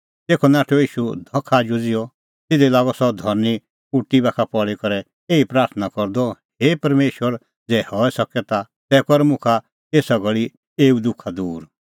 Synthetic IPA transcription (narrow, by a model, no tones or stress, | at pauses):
t̪eːkʰɔnaːʈʰɔiːʃud̪ʱɔkʰːaːd͡ʒud͡zɪjɔ | t̪ɪd̪ɛlaːɡɔsɔd̪ʱɔɾni | uʈibaːkʰapɔɽikɔɾɛ | eːipɾaːɾt̪ʰnakɔɾd̪ɔheːpɐɾmeːʃwəɾ | d͡zɛːhɔːɛsɐkɛt̪a | t̪ɛːkɔɾɛmʊ̃kʰa | eːsaɡɔɭi | eːud̪ʊkʰad̪uːɾ